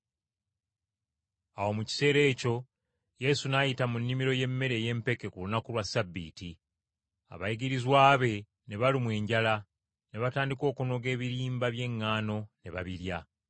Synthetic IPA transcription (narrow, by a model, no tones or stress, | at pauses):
awo̞muci̥se̞ːɾe̞ːco̞ | je̞sunajitamunːimiɾo̞je̞mːe̞ɾe̞ːje̞mpe̞ke̞kulunakulwasabːḭːti | a̰βajiɡiɾizwaːβe̞ | ne̞βalimwe̞ːɲɟala | ne̞βataːndiko̞ːkuno̞ɡe̞ːβiɾiːmbaβje̞ŋːaːno̞ne̞βa̰βiɾja